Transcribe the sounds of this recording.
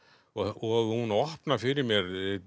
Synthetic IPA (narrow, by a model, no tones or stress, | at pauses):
ɔɔɣhunɔhpnafɪɾɪɾmjɛɾ